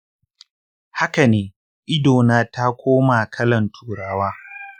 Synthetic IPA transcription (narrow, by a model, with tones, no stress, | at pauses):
ha˦ka˨neː˨ | ʔɪ˦doː˨naː˦ta˦kʷʰoː˦maː˨kʰɐ˦lɐ˨ntʰuː˨ɽaː˦waː˦